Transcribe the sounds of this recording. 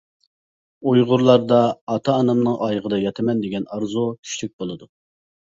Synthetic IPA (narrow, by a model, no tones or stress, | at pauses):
ujʁʊɾlˠɑɾd̪ɑːt̪ʰɑːnɑmnɨŋʔɑjʁəd̪ɑjɑt̪ʰɪmɛnd̪eɡʲɛnɑɾzut̪ʰy̥ʃlyk̚ʲbolˠɨd̪u